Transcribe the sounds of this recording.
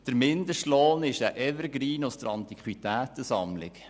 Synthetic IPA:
d̥əɾmɪnd̪əʃtloːnɪʃæʔɛvəɾɡɾiːnʊsd̥̪əɾɑnt̪ikχwit̪æːt̪əsɑmlɪ̰k

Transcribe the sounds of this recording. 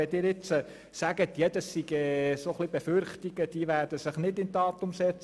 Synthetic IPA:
ɛdɪːɾɪt͡sə | sæɡ̥ət̪jɛd̪ɑssiɡɛsoχlibɛfʏɾχtiɡ̥əd̥iːʋæːrd̥əsɪχnɪdɪntɑːt̪ʊmsɛt͡s

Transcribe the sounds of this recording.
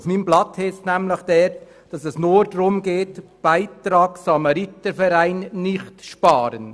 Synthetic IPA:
fmiːmblɑthɛstnæmləχd̥ɛɾt | d̥ɑsɛsnʊɾd̥ɾʊmɡeːtb̥aɪtɾɑːksɑmɑɾitəfɛɾæɪnːɪχtʃpɑːɾən

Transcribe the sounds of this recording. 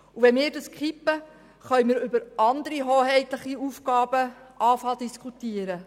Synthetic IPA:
uʋɛnmɪːɾdɑskχipːə | χœjmɪːɾʏbəɾɑnd̪əɾiɦoːhɛɪt̪ləχiufɡɑːb̥əʔɑːfɑld̥̪iskʰut̪iəɾə

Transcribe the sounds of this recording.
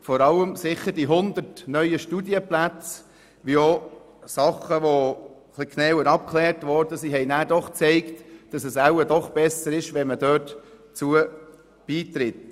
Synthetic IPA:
fɔɾɑləmsɪχəɾd̥iɦʊnd̪əɾtnœʏəʃtudiəplæt͡s | ʋio | sɑχəʋo | χlikʰnɛːwəɾɑp̚kʰχlɛːɾtʋɔɾdəsiɦɛɪnæːɾd̥ɔχt͡sɛɪktd̥ɑsɛsæwədɔχb̥ɛsəɾɪʃʋɛnmədøːtt͡suə | b̥iːt̪ɾɪt

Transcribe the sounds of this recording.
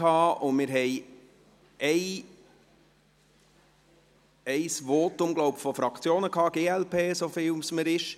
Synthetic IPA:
ɑːʊmɪːɾɦɛɪ | ɛɪ | ɛɪsvoːtʊmɡlɔʊbfɔfɾɑkt͡sjoːnəkʰɑːɡeːɛlpʰeːsofɪlusməɾɪʃ

